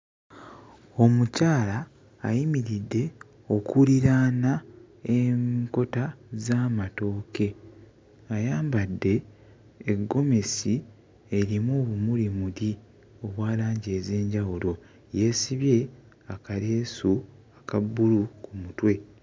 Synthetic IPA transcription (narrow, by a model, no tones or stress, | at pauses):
o̞mucaːla̰ː | jimiɾidːe̞ | o̞kuliɾaːna | eko̞tazaːmato̞ːke̞ | ajaːmbadːe̞ː | ɡːo̞me̞si | eɾimoβumulimuɾi | o̞βwaːlaːɲɟe̞ːze̞ːɲɟawulo̞ | je̞ːsiβje̞ | akaɾeːsuakabːulukumutwe̞